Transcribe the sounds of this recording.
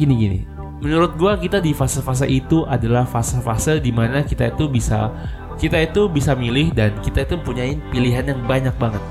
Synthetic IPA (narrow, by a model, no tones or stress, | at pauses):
ɡiniɡinḭ | mənuɾʊt̪̚ɡuakit̪adifasəfas̬aʔit̪uʔadalahfasafasədimanakit̪ait̪ubisa̰ | kit̪ait̪ubisamilɪhdankit̪ait̪uməmpuɲaɪnpiliɦanjaŋbaɲak̚baŋət̪̚